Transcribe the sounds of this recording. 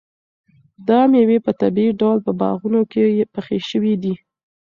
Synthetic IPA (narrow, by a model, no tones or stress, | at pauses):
d̪ɑmjewepət̪abiiɖawlpəbɑ̰ɣunokejpəxeʃəwid̪i